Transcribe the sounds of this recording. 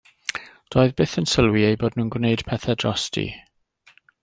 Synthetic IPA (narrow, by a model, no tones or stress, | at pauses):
d̥ɔːɨðbɪθənsəlˠwiejboːdnuːnɡwnejd̥pʰɛθɛdrɔstʰḭ